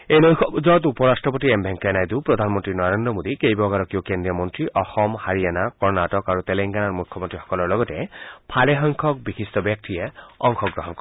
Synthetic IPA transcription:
ejnɔjzɔt̪upɔɾasʈɹɔpɔt̪iembʱɛŋkenajd̪upɾɔd̪ʱanmɔnt̪ɹinɔɾend̪ɾɔmod̪ikejbɔɡaɾɔkijokendɹijɔmɔntɹiʔɔxɔmhaɹianakɔɹnaʈɔkaɹut̪eleŋɡanaɹmukʰːɔmɔnt̪ɹixɔ̥kɔlɔɹlɔɡɔtepʰaleɦɔŋkʰɔk̚bixist̪ɔbjak̚t̪ieɔŋkʰɔɡɹɔɦɔnkɔ

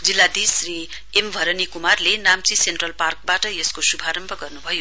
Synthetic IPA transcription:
d͡zilːad̪isri | embʱʌɾʌnikumarlenamt͡sisenʈrʌlpark̚baʈʌjeskosubʱaɾʌmbʱʌɡʌrnubʱʌjo

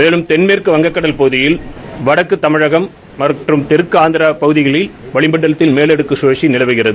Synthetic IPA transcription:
meːlɯmt̪ɛnmeːrkɯʋɐŋɡɐkːɐɽɐlpɐɣɯðɪjɪlʋɐɽɐkːɯt̪ːɐmɪɻɐɣɐmː | ɐʈrɯmt̪ɪɾɯkːɯaːnd̪ɪɾɐpɐɣɯðɪɣɐɭɪlʋɐɭɪmbɐɳːɐlɐt̪ːɪlmeːlɛɽɯkːɯseːʂinɪlɐʋɯɣɪrɐðɯ

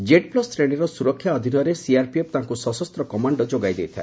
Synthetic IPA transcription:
d͡ʒeʈplɔsɾeɽ̃eɾɔsuɾɔkʰːjaɔd̪ʱinɔɾesiaɾpiep̚t̪aɦŋkusɔsɔst̪ɾɔkɔmaɳɖɔd͡ʒoɡajd̪ejt̪ʰae

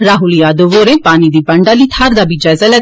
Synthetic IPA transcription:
ɾaːɦuljaːd̪oʋoːɾeːpaːnid̪iːbəɳɖaːliːt̪ʰaɾd̪aːbid͡ʒazɛlɛ

